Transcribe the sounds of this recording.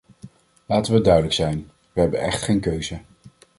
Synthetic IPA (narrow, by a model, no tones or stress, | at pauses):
laːtənʋədœɥdələksɛjn | ʋəɦɛbənɛ̰χtχejnkøɥzə